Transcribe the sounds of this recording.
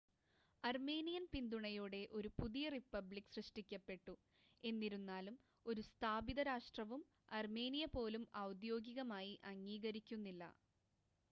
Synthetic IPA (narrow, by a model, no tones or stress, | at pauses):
ɐrme̞ːnijɐnpind̪uɳɐjuːɽe̞ʔo̞ɾupuðijɐripːɐblikːsrɨʂʈikʲːɐpːe̞ʈːu | e̞nːiɾunːaːlum | o̞ɾust̪ʰaːbiðɐɾaːʂʈrɐʋum | ɐrme̞ːnijɐpo̞ːlumɐwd̪jo̞ːɡiɣɐmaːjiʔɐŋːiːɣɐɾikʲːunːilːɐ̰